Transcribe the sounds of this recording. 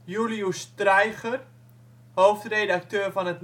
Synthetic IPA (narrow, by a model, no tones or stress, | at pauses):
juliustrɛjχər | howftredak̚tøːrfɔnətn